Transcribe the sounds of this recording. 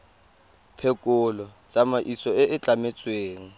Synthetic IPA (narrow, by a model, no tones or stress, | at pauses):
pʰɛkʼʊlɔt͡sʼamaʔisɔɪʔɪt͡ɬʼamet͡sʼweːŋ̩